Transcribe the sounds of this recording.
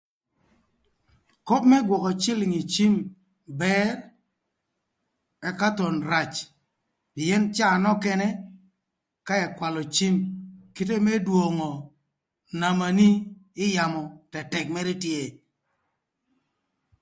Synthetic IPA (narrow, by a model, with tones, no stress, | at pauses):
ko˦p̚mɛ˦ɡwɔ˨kɔ˨t͡ʃɪ˦lɪ˨ŋi˨t͡ʃi˦m | bɛ˦ɾ | ɛ˦ka˦tɔ˨nɾa˨t͡ʃ | pɪ˨ɛ˦nt͡ʃaː˦˨nɔ˦kɛ˦nɛ˦ | ka˦ɛ˨kwa˨lɔ˨t͡ʃi˦mki˦t̬e˦mɛ˦dwo˨ŋɔ˨ | na˨ma˨ni˦ɪ˦ja˨mɔ˨tɛ˨tɛ˨k̚mɛ˦ɾi˦tje˦˨